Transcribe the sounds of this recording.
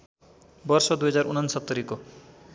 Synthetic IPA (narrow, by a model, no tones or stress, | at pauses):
bʌrsʌd̪ujɦʌd͡zarunʌnsʌt̪ːʌɾiko